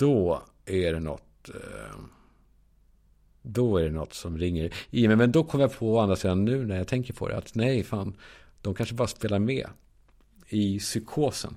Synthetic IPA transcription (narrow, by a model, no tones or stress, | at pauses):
d̪̥ɔ | æɖɛnɔ̰t̪ | d̪ɔæɖɛnɔt̪ːsɔmɾɪŋːəɾɪmɛmɛnd̪ɔkʰɔmːəɾjapʰɔand̪ɾasiːd̪anːʉ̟ːnæjat̪ʰɛŋkəɾpʰɔ̰d̪ɛ̰a̰t̪nɛjfaːn | d̪̥ɔmkʰanʂəbɑːɾaspeːlaɾmɛ̰ː | ɪsʏkʰoːsə̰n